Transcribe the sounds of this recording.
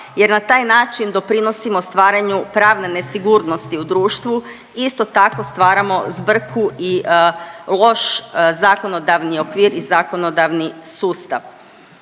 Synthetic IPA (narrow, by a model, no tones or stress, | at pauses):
je̞ɾnat̪aːjnaːt͡ʃind̪o̞pɾino̞simost̪ʋaːɾaɲupɾaːʋnene̞siɡuɾno̞st̪iud̪ɾuːʃt̪ʋu | ist̪o̞t̪ako̞st̪ʋaːɾamo̞zbr̩kʰui | lˠo̞ʃzaːko̞no̞d̪aʋnio̞kʋiːɾizako̞no̞d̪aʋnisuːst̪a̰ʋ